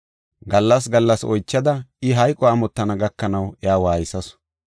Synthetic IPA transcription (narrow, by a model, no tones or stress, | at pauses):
ɡɐlːɐs̬ɡɐlːɐsɔ̰jt͡ʃːɐd̪ɐʔɪɦɐjkʼɔaːmɔt̪ːɐnɐɡɐkːɐnɐwɛaːwaːjɪsɐsʊ̥